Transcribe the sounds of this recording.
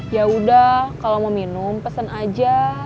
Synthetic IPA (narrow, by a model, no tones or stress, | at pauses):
jaudahkalomominʊmpəsənad͡ʒa